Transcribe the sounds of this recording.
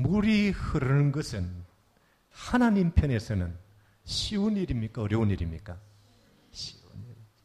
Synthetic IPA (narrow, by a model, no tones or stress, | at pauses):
muɾihɯɾɯŋɡɯsɯn | hananinpʰjenesɯnɯn | siuniɾimikaɾewniɾimḭka | si̥uniɾi